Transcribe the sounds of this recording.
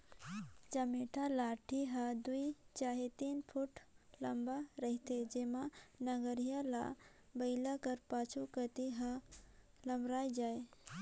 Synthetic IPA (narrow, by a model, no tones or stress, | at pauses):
d͡ʒəmeʈʰalaːʈʰiɦad̪uit͡ʃaːɦet̪iːnpʰuʈlɐmbaɾəɦit̪ed͡ʒemanəɡəɾijala̰bəɪlakəɾpaːt͡ʃʰukət̪iɦã | ləmbɾaːd͡ʒaːe